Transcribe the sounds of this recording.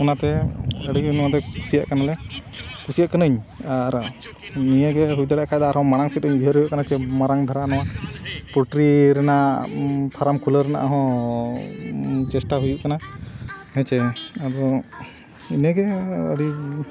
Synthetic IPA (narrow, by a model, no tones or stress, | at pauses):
ɔnat̪ɛəɽiinad̪ɛku̥sija̰ʔkanalɛkusijaʔkənəɲaɾ | nijəɡɛɦujd̪aɽɛʔkʰajd̪aaɾhɔ̃maɽaŋsɛtəɲbʱəɾɦujuʔkanat͡ʃɛmaɾaŋd̪ʱaɾanɔwapuʈɾiɾɛna | pʰaɾamkuləɾɛna̰ʔaɦɔ̃ | t͡ʃɛsʈaɦujuʔkana | hɛt͡ʃɛaɾɔ | inəɡɛə̰ɽi